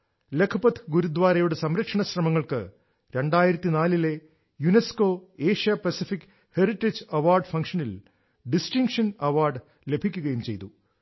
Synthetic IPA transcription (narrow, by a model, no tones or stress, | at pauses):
lekʰɐpɐt̪ʰɨ̥ɡuɾud̪ʋaːɾɐjuɽesɐmɾɐkʂɐɳɐɕrɐmɐŋːɐɭkɨ̰ | ɾe̞ɳɖaːjiɾɐt̪ːinaːlile̞ | junesko̞ːeːʂijɐpɐsifikː | heriʈːed͡ʑɐʋaːrɖfɐŋkʂɐnil | ɖisʈiŋkʂɐnɐʋaːrɖ | le̞bʱikʲːuɣɐjumt͡ɕe̞̰jt̪u